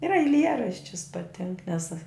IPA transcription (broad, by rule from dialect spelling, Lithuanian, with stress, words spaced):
ɪr ɐɪˈlʲiɛrɐʃʲt͡ʃʲʊs pɐˈtʲɪŋk nʲɛs